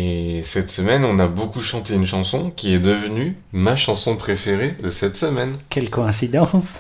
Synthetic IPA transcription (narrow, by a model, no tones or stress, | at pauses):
esɛt̪səmɛnɔ̃nabokuʃɑ̃t̪eynʃɑ̃sɔ̃kʲiɛd̪əvəny | maʃɑ̃sɔ̃pχefeʁed̪əsɛt̪səmɛnkʲɛlkɔɛ̃sid̪ɑ̃s